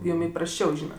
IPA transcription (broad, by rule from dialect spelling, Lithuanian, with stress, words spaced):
ˈjʊm ɪprɐsʲˈt͡ʃʲɛʊ ˈʒʲiːnɐt